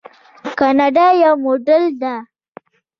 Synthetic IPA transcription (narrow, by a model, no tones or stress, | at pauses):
kanaɖajawmoɖəld̪a